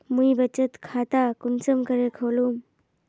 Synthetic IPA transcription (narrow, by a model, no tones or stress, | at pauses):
mujbət͡ʃət̪kʰat̪akunsəmkəɾekʰəlum